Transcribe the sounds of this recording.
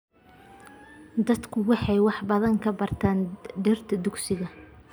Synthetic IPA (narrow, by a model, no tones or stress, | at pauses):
d̪ɐd̪kʰʊwɑħɑjwɑħbɐðɐŋkʰɐbɐrt̪ʰaːnd̪ɛrt̪ʰɐd̪ʊɡsɪɣɐ